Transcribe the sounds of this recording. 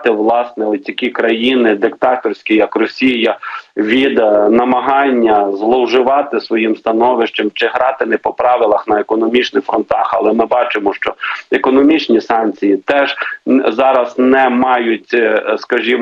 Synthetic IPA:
t̪ɪʋlˠɑsnɛɔtʲtʲːɐkʲikɾɐjinɪd̪ɪkt̪ɑt̪ɔrsʲkʲijɐkrɔsʲijɐʋʲid̪nɐmɐɦɑnʲːɐzlˠɔwʒɪʋɑt̪ɪsʋɔjimst̪ɐnɔʋɪʃt͡ʃɐmt͡ʃɪɦɾɑt̪ɪnɛpɔpɾɑʋɪlˠɐxnɐekɔnɔmʲit͡ʃnɪxfɾɔnt̪ɑxɐ̰lˠɛmɪbɑt͡ʃɪmɔʃt͡ʃɔekɔnɔmʲit͡ʃnʲisɑnʲt͡sʲijit̪ɛʒ̥zɑɾɐznɛmɑjʊtʲskɐʒʲim

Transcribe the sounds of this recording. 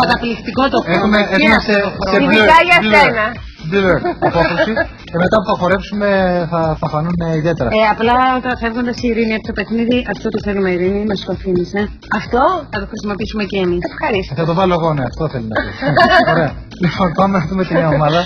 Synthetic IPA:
kɐt̪ɐplixt̪ikot̪oexumeemɐst̪oxɾoeɾɐʝɐenɐ | bileɾopoθosi | ce̞me̞t̪ɐpuθɐxo̞ɾe̞psume̞θɐθɐfɐnuneiðie̞t̪e̞ɾɐeɐplɐt̪ɐfevɣond̪ɐsiɾiniepst̪ope̞xniðiʔɐft̪ot̪uθe̞lumeiɾinimɐst̪oɐfinise̞ | ɐft̪o̞θɐt̪oxɾisimo̞piisumeceːmisfxɐɾist̪θɐt̪o̞vɐloeɣo̞neɐft̪oθelinɐpioɾeɐ | lipo̞npɐnmeɐumet̪ineɐomɐðɐ

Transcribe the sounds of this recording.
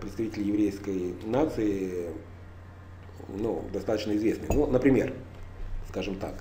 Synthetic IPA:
pɾʲɪt̪st̪ɐvʲitʲɪlʲɪjɪvɾʲejskəjnat̪sɨɪ | nṵd̪ɐst̪at̪ət͡ɕnəɪzvʲesnɨnunəpɾʲɪmʲḛr | skaʐɨmt̪a̰k

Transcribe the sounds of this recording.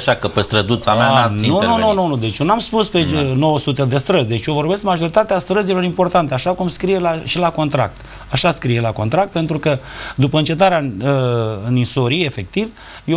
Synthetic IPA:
aʃakəpest̪ɾəd̪ut̪sameaannununununud̪e̞t͡ʃjonamspuspeno̞wəsut̪ed̪e̞st̪ɾəzʲd̪e̞t͡ʃʲjovo̞rbe̞skmaʒo̞ɾit̪at̪east̪ɾəzilo̞ɾimpo̞rt̪ant̪eaʃakumskɾijelaʃilako̞nt̪ɾa̰k̚t̪ | aʃaskɾije̞lako̞nt̪ɾak̚t̪̚pe̞nt̪ɾukəd̪upəɨnt͡ʃe̞t̪̬aɾea | ɨninsoɾie̞fe̞k̚t̪iv | jo

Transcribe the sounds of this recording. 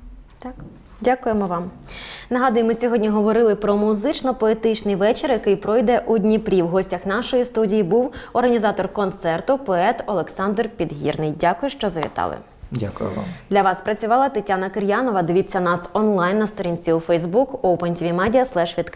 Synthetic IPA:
dʲakʊjemɔʋɑm | nɐɦɑd̪ʊjɪmɪsʲɔɦɔdʲnʲiɦɔʋɔɾɪlˠɪpɾɔmʊzɪt͡ʃnɔpɔet̪ɪt͡ʃnɪjʋɛt͡ʃɪrjɐkɪjpɾɔjd̪ɛʔudʲnʲipɾʲiwɦɔsʲtʲɐxnɑʃɔjist̪udʲijibuwɔrɦɐnʲizɑt̪ɔrkɔnt̪sɛrt̪ʊpɔɛt̪ɔlˠeksɑnd̪rpʲid̪ɦʲḭrnɪjdʲakʊjʊʃt͡ʃɔzɐʋʲḭt̪ɑ̰lˠɪ̰ | dʲa̰kj̰d̪lʲɐʋɑspɾɐt͡sʲʊʋɑlˠɐt̪etʲanɐkɪɾjanɔʋɐd̪ɪʋʲit͡sʲːɐnɑsɔnlˠɑjnːɐst̪ɔɾʲinʲt͡sʲiufɛjzbukowpɛnʲtʲʋʲimɛdʲijɐslˠɛʃʋʲid̪k

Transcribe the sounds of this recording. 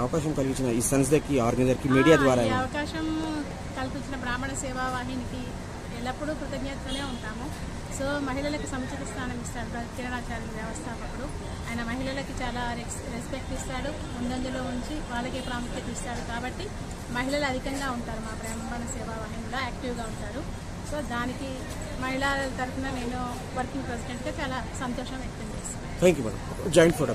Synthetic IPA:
ɐʋɐkaːʃɐmkɐlpiɲt͡ʃinɐiːsɐns̬d̪ɐkːiaːɾɡɐnɐzɐɾkimiːɽijaːd̪ʋaːɾaɐʋɐkaːʃɐm | kɐlpiɲt͡ʃinɐpɾaːmɐɳɐsɛːʋaːʋaːɦɐniki | ɛlːɐpːuɽukɾut̪ɐɡjɐt̪ʋɐne̞ːuɳʈaːmu | so̞ːmɐɦilɐlɐkusɐmɐkt͡ʃʰɐt̪ɐst̪ʰaːnɐmist̪aːɽuɐk̪iɾɐnaːt͡ʃaːɾɐnʋjɐʋɐst̪ʰaːpɐkuɽu | aːjɐnɐmɐɦilɐlɐkit͡ʃaːlaːɾe | ɾespek̚ʈist̪aːɽu | mund̪ɐnd̪ulo̞ːuɲt͡ʃiʋaːɭːɐkeːpɾaːmut̪jɐt̪iːst̪aːɽukaːbɐʈːi | mɐɦilɐluɐd̪ʱikɐŋɡaːuɳʈaːɾumaːpɾɐːɐmɐbɐɳɐsɛːʋaːʋɐɦiɐmloːaːkʈiʋɡaːuɳʈaːɾu | so̞ːd̪aːniki | mɐɦilɐt̪ɐɾupunɐne̞ːnu | ʋɐɾkiŋɡpɾes̬iɖeɳʈɡaːt͡ʃaːlaːsɐnt̪ɔːʂɐ̃mʋjɐk̚t̪ɐɲt͡ʃeːst̪unːaːt̪ʰeːŋkjuːmɐ̰nɐ̰m | d͡ʒaːjɐɳʈpʰoːʈɐ

